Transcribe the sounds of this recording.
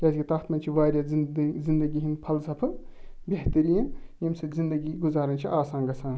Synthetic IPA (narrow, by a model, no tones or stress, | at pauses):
kʲaːskʲit̪ɐxt̪mɐnʲt͡ʃʰiʋaːɾʲjazind̪ɐɡʲiɦinpʰɐlsɐpʰɨ | bʲeɦt̪ɐɾijɐnjɐmsɐzind̪ɐɡiɡuzaːɾɐnt͡ʃʰiʔaːsaːnɡɐsãːn